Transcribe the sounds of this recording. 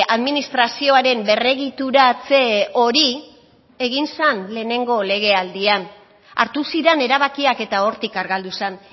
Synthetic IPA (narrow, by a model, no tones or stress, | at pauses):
aðminist̪ɾasio̞aɾe̞mbe̞re̞ɣit̪uɾat͡se̞o̞ɾi | e̞ɣinsanle̞ːne̞ŋɡo̞le̞ɣ̞e̞ald̪ian | a̰ɾt̪usiɾene̞ɾaβakiake̞t̪ao̞ɾt̪ikaɾɣald̪usan